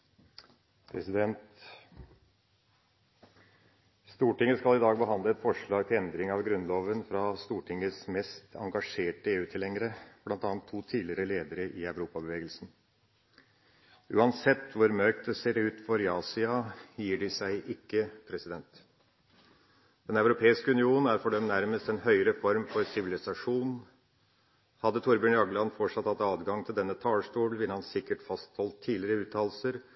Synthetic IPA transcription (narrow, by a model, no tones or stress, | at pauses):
pʰɾɛ̰sɪd̪ɛnt̪ | st̪uːʈɪŋːəskɑlɪd̪ɑːɡbəɦɑnd̪əɛt̪fɔʂɭɑːɡ̚t̪ʰɪlɛnd̪ɾɪŋɑʋɡɾʉnloːʋənfɾɑst̪uːʈʰɪŋːəsmɛst̪ʰɑ̰ŋɡɑʂeːʈəeːʉːt̪ʰɪlhɛŋəɾəb̥lɑnt̪ɑːɑnt̪ʰːuːt̪ʰiːlɪɾəleːd̪əɾəʔɪæʉʋɾuːpɑbəʋeːɡəlsn̩ | ʉ̰ːɑnsɛt̪ːʋʊɾmœɾk̚t̪̚d̪ɛseːɾʉːt̪fɔɾɪɑːsɪɑjiːɖɪsæɪʔɪkːəpʰɾɛsɪd̪ɛnt̪ | d̪̥ɛnɑʉɾʊpʰeːɪskəʉnɪuːnn̩æɾfɔɖœmnæɾməst̪ɛnhœʏɾəfɔɾmfɔɾsɪʋɪlɪsɑʂuːn | hɑd̪ːət̪ʰʊɾbʉːnɑɡəlɑnfɔʈʂɑt̪hɑt̪ːɑːd̪ɡɑŋt̪ʰɪld̪ɛnːət̪ʰɑːlsʈuːlʋɪlhɑnsɪkːəʈfɑst̪hɔlt̪ʰːiːlɪɾəʉːt̪ʰɑːl̩səɾ